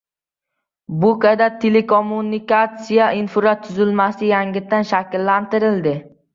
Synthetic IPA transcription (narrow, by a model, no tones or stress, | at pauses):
bʊkad̪at̪ʰːelekʰomːunikat̪sijaʔɪnfʊɾat̪ʰːʊzɪlmasɪjaŋɡʲɪt̪ːanʃakʲɪlːant̪ɪɾɪld̪ɪ